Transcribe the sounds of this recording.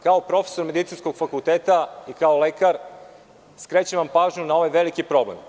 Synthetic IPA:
kaopɾo̞fe̥so̞ɾme̞d̪it̪sinsko̞ɡ̥fakulˠt̪eːt̪aikaolekaɾ | skɾet͡ɕeʋampaːʒɲunao̞ʋajʋelikipɾo̞blḛm

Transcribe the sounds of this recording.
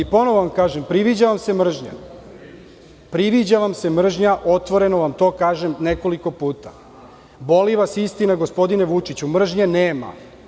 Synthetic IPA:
ipo̞noʋoʋamkaːʒempɾiʋid͡ʑaʋamsemr̩ʒɲa̰ | pɾiʋid͡ʑaʋamse̞mr̩ʒɲaʔo̞t̪ʋo̞ɾe̞no̞ʋamt̪o̞ːkaːʒemneko̞liko̞puːt̪a | bo̞liʋasist̪inaɡospo̞d̪ine̞ʋut͡ʂit͡ɕumr̩ʒɲeneːma̰

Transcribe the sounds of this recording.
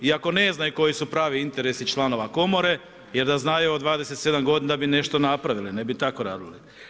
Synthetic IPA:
iako̞ne̞znajuko̞jisupɾaːʋiint̪e̞ɾe̞sit͡ʃlˠano̞ʋako̞mo̞ɾe̞ | je̞ɾd̪aznajuod̪ʋaːd̪ese̞t̪se̞d̪amɡo̞d̪ind̪abine̞ʃt̪onapɾaʋiline̞bit̪ako̞ɾa̰ːd̪ili

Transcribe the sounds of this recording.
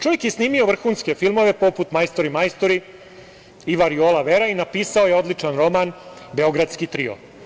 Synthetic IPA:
t͡ʃo̞ʋje̞kjesniːmio̞ʋr̩xuːnske̞filˠmo̞ʋe̞po̞put̪majst̪oɾimajst̪oɾi | iʋaɾiolaʋeɾainapiːsao̞jeo̞d̪lit͡ʂanɾo̞manbe̞o̞ɡɾad̪skit̪ɾḭo̰

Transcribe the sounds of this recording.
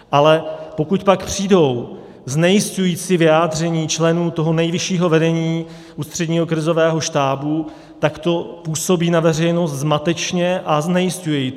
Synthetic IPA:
ʔalɛpo̞kut̪pakpr̝̥iːdo̞w | znɛjɪscujiːt͡sivɪjaːd̪r̝ɛɲiːt͡ʃlɛnuːt̪o̞ɦo̞nɛjvɪʃiːɦo̞vɛdɛɲiː | ʔuːst̪r̝̥ɛdɲiːɦo̞kɾɪzo̞vɛːɦo̞ʃt̪aːbu | t̪akt̪o̞puːso̞biːnavɛr̝ɛjno̞st̪zmat̪ɛt͡ʃɲɛʔaznɛjɪscujɛj

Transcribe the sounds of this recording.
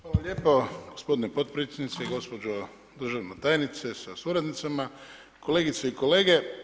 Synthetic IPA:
xʋaːlalʲeːpoɡospo̞d̪inepot̪̚pɾit̪sʲed̪nit̪seɡo̞spod͡ʒo | d̪r̩ʒaʋnot̪aːjnit̪sesasuɾad̪nit̪sama | ko̞leːɡit̪seiko̞le̞ːɡe̞

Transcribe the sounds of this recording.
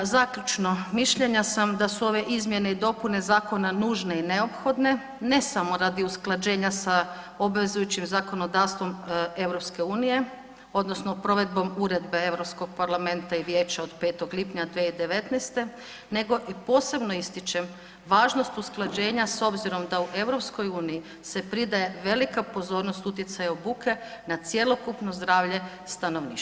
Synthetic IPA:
zakʎut͡ʃno̞miʃʎe̞ɲasamd̪asuo̞ʋe̞ʔizmje̞ne̞id̪o̞pune̞zaːko̞nanuːʒne̞ine̞o̞pxo̞d̪ne̞ | ne̞samo̞ɾad̪iusklˠad͡ʒe̞ːɲasa | obʋezujut͡ʃimzako̞no̞d̪aːʋst̪ʋo̞me̞ʋɾo̞pske̞uːnije̞ | o̞d̪nosnopɾo̞ʋe̞d̪̚bo̞muɾe̞d̪be̞e̞ʋɾopsko̞ɡ̚paɾlame̞nt̪aiʋje̞ːt͡ɕaod̪peːt̪o̞ɡlipɲad̪ʋeid̪e̞ʋe̞t̪nɛst̪e̞ | ne̞ɡo̞ʔipo̞ːse̞bno̞ist̪it͡ʃem | ʋaːʒno̞st̪usklˠad͡ʑe̞ːɲaso̞bziɾo̞md̪auʔe̞ʋɾo̞pskojuːniji | se̞pɾid̪aje̞ʋe̞likapo̞zo̞ːɾnost̪ut̪jet̪sajaobuːkʰe̞nat̪sje̞lˠo̞kupno̞zd̪ɾaːʋʎe̞ | st̪ano̞ʋnḭːʃ

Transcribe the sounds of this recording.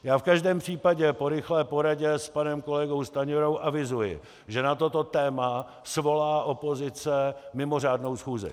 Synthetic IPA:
jaːfkaʒdɛːmpr̝̥iːpaɟɛpo̞ɾɪxlɛːpo̞ɾaɟɛspanɛmko̞lɛɡo̞wst̪aɲoɾowʔavɪzujɪ̰ | ʒɛnat̪o̞t̪o̞t̪ɛːma | svo̞laːʔo̞po̞zɪt͡sɛmɪmo̞r̝aːdno̞wsxuːzɪ̰

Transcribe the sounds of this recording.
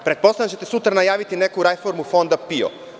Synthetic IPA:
pɾet̪po̞sajat͡ɕet̪e̞sut̪ɾanajaːʋit̪ine̞kuɾajfoɾmufo̞nd̪apio̰

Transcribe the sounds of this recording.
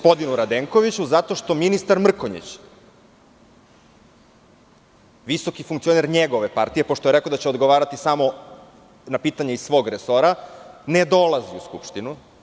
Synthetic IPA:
ospo̞d̪inuɾad̪eŋko̞ʋit͡ɕuzat̪o̞ʃt̪o̞minist̪aɾmr̩koɲḭt͡ɕ | ʋiso̞kifuŋkt̪io̞neɾɲeɡo̞ʋe̞pa̰ɾt̪ije̞po̞ʃt̪ojeɾekod̪at͡ɕeod̪ɡoʋaːɾat̪isamo̞ | napiːt̪aɲeisʋo̞ːɡɾeso̞ɾaned̪o̞lˠaziuskṵpʃt̪inu

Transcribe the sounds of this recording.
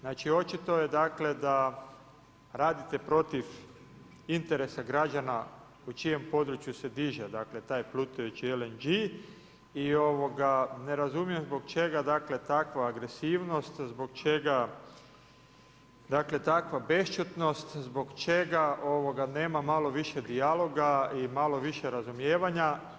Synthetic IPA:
znaːt͡ʃio̞t͡ʃit̪o̞jed̪aːkle̞d̪a | ɾaːd̪it̪e̞pɾo̞t̪if | int̪eɾesaɡɾad͡ʒana | ut͡ʃije̞mpo̞d̪ɾut͡ʃjuse̞d̪iʒed̪akle̞t̪aːjplut̪ujet͡ʃielend͡ʒi | io̞ʋo̞ɡane̞ɾazumjemzbo̞ɡt͡ʃe̞ɡad̪akle̞t̪akʋaːɡɾe̞siːʋno̞st̪zbo̞ɡt͡ʃe̞ɡa | d̪akle̞t̪akʋabe̞ʃt͡ʃut̪no̞st̪zbo̞ɡt͡ʃe̞ɡaʔo̞ʋoɡane̞ːmamalo̞ʋiʃe̞d̪ialo̞ɡaimalo̞ʋiʃe̞ɾazumje̞ːʋaɲa

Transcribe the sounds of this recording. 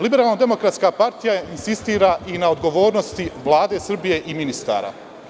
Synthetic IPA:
libeɾaːlˠnod̪e̞mo̞kɾat̪skapaɾt̪ijainsist̪iːɾaʔinao̞d̪ɡo̞ʋo̞ːɾno̞st̪iʋlˠaːd̪e̞sr̩bije̞ʔiminist̪a̰ːɾa̰

